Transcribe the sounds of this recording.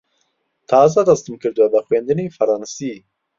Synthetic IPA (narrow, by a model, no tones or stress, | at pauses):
t̪ʰɑːzad̪ɑst̪ɨmkɨɾd̪uwɛbəxweːnd̪ɨnefɐɾɑːnsiː